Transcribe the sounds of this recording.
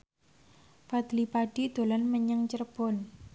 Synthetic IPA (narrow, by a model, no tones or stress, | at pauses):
fad̪̥lipaɖ̥id̪̥o̤lanməɲəŋt͡ʃərb̥ɔ̤n